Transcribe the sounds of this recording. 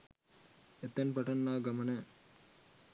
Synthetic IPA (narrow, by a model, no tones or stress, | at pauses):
et̪ːɐnpɐʈɐnːaːɡɐmɐnɐ